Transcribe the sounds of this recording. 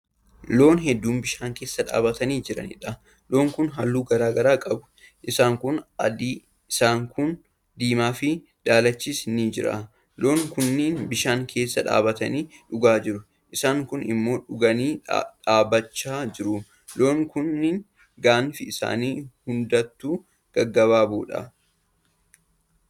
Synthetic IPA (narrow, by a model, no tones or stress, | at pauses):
lo̞ːnɦɛd̪ːuːmbɪʃaːŋkeːsːɐᶑa̰ːbɐt̪ɐniːd͡ʒɪɾɐ̰nɪ̰ᶑɐ | lo̞ːŋkʊnɦɐlːuːɡɐɾaːɡɐɾaːkʼɐbʊ̥ | ʔɪsaːŋkʊnɐd̪iː | ɪsaːŋkʊn | d̪iːmaːfɪ | d̪̥aːlɐt͡ʃːiːsnid͡ʒɪɾa̰ | lo̞ːŋkʊnːiːnbɪʃaːŋkʰe̞ːsːɐᶑa̰ːbɐt̪ɐniːᶑʊɡaːd͡ʒɪɾʊ | ʔɪsaːŋkʊnɪ̰mːo̞ːᶑʊɡɐniːᶑaːbɐt͡ʃːaːd͡ʒɪɾʊ | lo̞ːŋkʊnːiːn | ɡaːnfɪɪsa̰ːniːhʊnd̪ɐt̪ːuː | ɡ̥ɐɡːɐβaːbuːᶑɐ̰